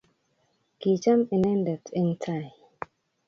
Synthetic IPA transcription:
ki˨t͡ʃa˦mi˨nɛ˦ndɛ˨tʰɪ˦ŋtʰa˨j

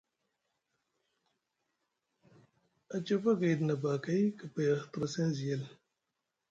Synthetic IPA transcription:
a˨t͡ʃo˦fa˦ɡe˨dna˨ba˨ka˦jka˨pa˨ja˨t̪ɾa˨se˦n˦zi˨je˦l

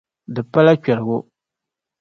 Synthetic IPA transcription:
dɨ˨pa˦la˦kᶣɛ˨ɾɨ˨ɡʊ˦

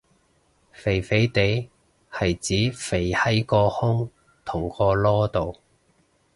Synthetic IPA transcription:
fe˨˩jfe˨˥jt̪e˨˧˥j | hɐ˨jt͡siː˨˥fe˨˩jhɐ˥jkɔː˧hʊ˥ŋ | t̪ʰʊ˨˩ŋkɔː˧lɔː˥t̪o˨w

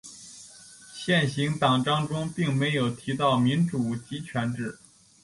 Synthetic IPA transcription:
ɕjɛ˥˩nɕi˧˥ŋt̪ɑ˨˩ŋʈ͡ʂɑ˥ŋʈ͡ʂʊ˥ŋpi˥˩ŋme˧˥ɪjo˨˩ʊt̪ʰi˧˥t̪ɑ˥˩ʊmi˧˥nʈ͡ʂu˨˩t͡ɕi˧˥t͡ɕʰɥɛ˧˥nʈ͡ʂɻ̩˥˩

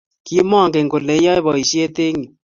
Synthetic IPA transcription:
ki˦mɔ˦˨ŋke˨ŋko˨le˨˦jɔ˦e˦bɔ˨i˨ʃe˦te˦ŋi˨

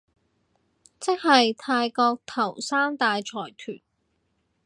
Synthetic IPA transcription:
t͡sɪ˥k̚hɐ˨jt̪ʰaː˧jkɔː˧k̚t̪ʰɐ˨˩wsaː˥mt̪aː˨˧jt͡ʃʰɔː˨˩jt̪ʰy̰ː˨˩n

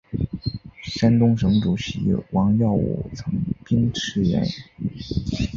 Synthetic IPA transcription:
ʂa˥nt̪ʊ˥ŋʂɤ˧˥ŋʈ͡ʂu˨˩ɕi˧˥wɑ˧˥ŋjɑ˥˩ʊwṵ˨˩t͡sʰɤ˧˥ŋpi˥ŋʈ͡ʂʰɻ̩˥jɛ̰˧˥n

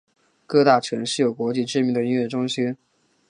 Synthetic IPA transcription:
kɤ˥˧t̪a˥˩t͡ɕʰɥɛ˧˥nʂɻ̩˥˩jo˨˩ʊkwɔ˧˥t͡ɕi˥˩ʈ͡ʂɻ̩˥mi˧˥ŋd̪ə˧i˥nɥjɛ˥˩ʈ͡ʂʊ˥ŋɕi˥n

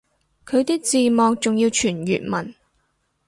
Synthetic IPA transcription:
kʰɵ˨˧ɥt̪iː˥k̚t͡siː˨˧mɔː˨k̚t͡sʊ˨ŋjiː˧wt͡ʃʰyː˨˩njy̰ː˨t̚mɐ˨˩n

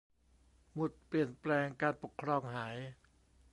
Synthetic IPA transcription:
mu˨˩t̪̚pli˨˩ənplɛː˧ŋkaː˧npo˨˩kʰːɾɔː˧ŋhaː˩˦j

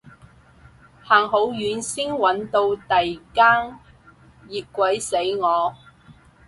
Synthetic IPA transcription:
haː˨˩ŋɦo˨˧˥wjyː˨˥nsi˥ŋwɐ˨˥nt̪o˧wt̪ɐ˨jkaː˥ŋ | jiː˨t̚kʷɐ˨˥jse˨˥jŋɔː˨˧

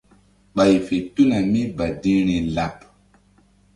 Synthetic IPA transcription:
ɓa˨jfe˨tu˦na˨mi˦ba˨di˦ɾ̃i˨la˨p

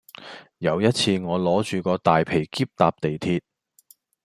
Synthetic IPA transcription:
jɐ˨˧wjɐ˥t̚t͡sʰiː˧ŋɔː˨˧lɔː˨˥t͡ʃyː˨kɔː˧t̪aː˨jpʰe˨˩jkiː˥p̚t̪aː˧p̚t̪e˨jt̪ʰiː˧t̚

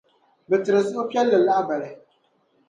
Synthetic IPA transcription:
bɨ˨tɨ˨ɾɨ˨zɨ˦ʊ˦pi˦ɛ˦lːɨ˨la˦a˦ba˨lɨ˨

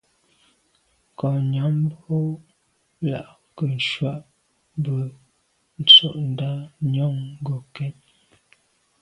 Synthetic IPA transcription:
kɔ˨ɲa˨˦m˦bo˦ | la̰˨ʔ | kə˨n̩˨ʃwa˦ʔ | bə˨ | n̩˨t͡so˦˨ʔn̩˨da˦ɲɔ˦˨ŋ˦ɡo˨kɛ˦ɲ

